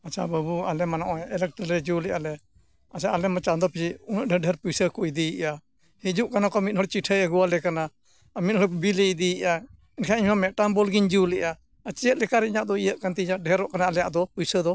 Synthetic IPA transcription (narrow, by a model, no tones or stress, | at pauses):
at͡ʃʰabəbualɛmanɔʔɔɛɛlɛk̚ʈəɾɾɛd͡ʒiulɛʔalɛ | at͡ʃʰaʔːlɛmat͡ʃand̪ɔpʰiunəʔ̚ɖʱəɖʱɛɾpujsəkɔjd̪ijiʔa | hɛd͡ʒuʔkanakɔamit̪̚ˀhɔɽɛt͡ʃiʈʰəəɡualɛkana | amit̪̚hɔɽɛbilɛd̪ijiʔa | ɛnkʰaiɲmamɛʈambɔlɡiɲd͡ʒiulɛʔa | ət͡ʃɛjət̪̚lɛkaɾɛiɲaʔd̪ɔijəʔ̪̚kant̪ɛiɲaʔ̚ɖʱɛɾɔʔkanalɛjaʔd̪ɔpujsəd̪ɔ